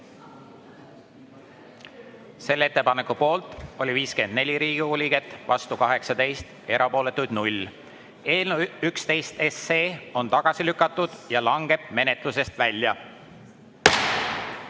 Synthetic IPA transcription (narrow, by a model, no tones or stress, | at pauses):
se̞lːe̞t̪ːe̞pɑnekːˑupo̞ːlt̪ˑo̞lʲiviːske̞nd̪̥ne̞lʲiɾiːɡ̥iulʲiɡ̥e̞t̪ːˑvɑst̪ukɑɦe̞ksɑd̪e̞jst̪ | e̞ɾʔɑpo̞ːle̞t̪ːˑujd̪̥nulʲ | e̞ːlneykst̪e̞jst̪e̞sːeːo̞nt̪ɑɡ̥ɑsilykːˑɑt̪ːˑud̪̥jɑlɑŋɡ̥e̞b̥me̞ne̞t̪ˑluse̞st̪vælʲːjɑ